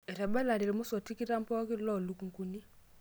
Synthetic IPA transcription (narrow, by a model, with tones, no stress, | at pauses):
e˨ɾɛ˨bɛ˦la˨ɾi˨lmʊ˦sɔ˨ti˦ki˦ɾa˦m˦pɔ˦kɪ˦lɔ˦˨lu˨˦ku˨ŋ˨ku˨ni˦